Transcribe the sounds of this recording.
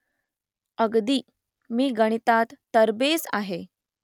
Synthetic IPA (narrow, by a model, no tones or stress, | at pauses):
əɡd̪iː | miːɡəɽ̃it̪at̪ːəɾbesa̰ɦe